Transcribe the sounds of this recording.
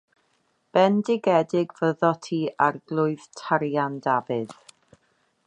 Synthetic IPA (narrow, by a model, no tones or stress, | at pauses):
b̥ɛndɪɡɛdɪɡv̥əðɔtʰiːarɡlˠʊɨð̥tʰaɾjandavɨð̥